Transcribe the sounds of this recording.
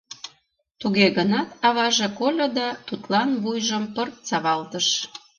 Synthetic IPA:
t̪uɣeɣənɑt̪ɑβɑʒekolʲod̪ɑt̪ut̪lɑnβujʒəmpərt̪̚t͡sɑβɑlt̪əʃ

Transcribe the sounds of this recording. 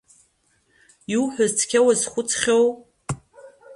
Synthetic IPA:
iwħʷᶣʊzt͡sʰkʲawazχʷʊt͡sʰχʲow

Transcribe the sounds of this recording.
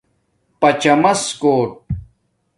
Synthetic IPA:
pɐt͡ɕɐmɐskoːʈ̚

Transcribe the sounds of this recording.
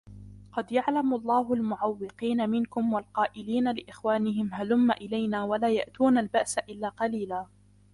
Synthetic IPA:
qɑd̪jaʕlamʊʔlˤːɑːɦʊlmʊʕawːɪqiːnamɪnkʊmwalqɑːʔɪliːnalɪʔɪxwaːnɪɦɪmɦalʊmːaʔɪlajnaːwalaːja̰ʔt̪uːnalbaʔsaʔɪlːaːqɑliːlaː

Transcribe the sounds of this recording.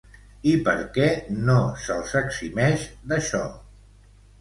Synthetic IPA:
ipəɾkɛnosəlˠsəksimɛʃd̪əʃɔ

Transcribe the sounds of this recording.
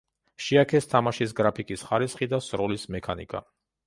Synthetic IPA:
ʃiakʰɛst̪ʰamaʃis̬ɡɾapʰikʼisχaɾisχid̪asɾɔlismɛkʰanḭkʼa̰

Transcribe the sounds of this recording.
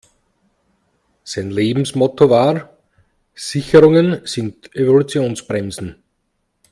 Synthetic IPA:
saɪnleːbm̩smɔtovaː | sɪçəʁʊŋənsɪndevolut͡sjoːnsb̥ʁɛmzn̩

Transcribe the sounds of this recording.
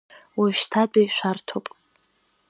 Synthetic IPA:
waʃtʰadʼajʃʷᶣartʰopʼ

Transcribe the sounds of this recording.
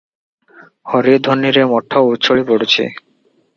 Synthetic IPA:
hɔɾid̪ʱonːiɾemɔʈʰːaut̪ːt͡ɕʰoɭipoɽet͡ɕʰḛ

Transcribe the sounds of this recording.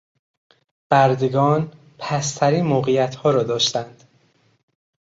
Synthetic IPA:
b̥æɾd̪eɡɒːn | pʰæst̪ʰæɾiːnmoːɣejæt̪ʰhɒːɾɒːd̪ɒːʃt̪ænd̪̥

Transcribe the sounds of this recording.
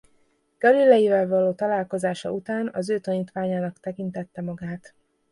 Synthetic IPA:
ɡ̥ɒlilːɛjivɛlvɒloːt̪ɒlaːlko̞zaːʃɒ̰ʔut̪aːnɒzøːt̪ɒniːt̪ʋaːɲaːnɒkt̪ɛkint̪ɛt̪ːɛmɒɡaːt̪

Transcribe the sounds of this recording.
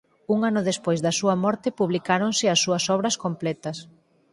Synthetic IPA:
uŋanʊðespojzðɐsuɐmɔɾt̪ɪpuβ̞likaɾoŋsɪɐsːuɐsɔβɾɐskomplɛt̪ɐs

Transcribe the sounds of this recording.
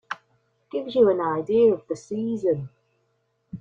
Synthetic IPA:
ɡ̥ɪvjɨə̃naɪdiʌvðɨsiːzɨ̃n

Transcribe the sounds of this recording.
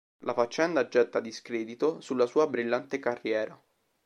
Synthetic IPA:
lafat͡ʃːɛnd̪ad͡ʒːɛt̪ːad̪iskɾeːd̪it̪osulːasuːabɾilːant̪ekarːjɛːɾa

